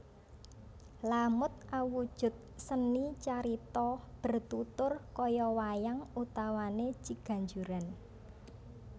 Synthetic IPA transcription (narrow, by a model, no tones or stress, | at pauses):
lamʊt̪̚ʔawud̥ʒ̥ʊ̤t̪̚sənit͡ʃaɾit̪ɔb̥ə̤rt̪ut̪ʊrkɔjɔwajaŋut̪awane̥t͡ʃiɡ̥a̤ɲd͡ʒuɾan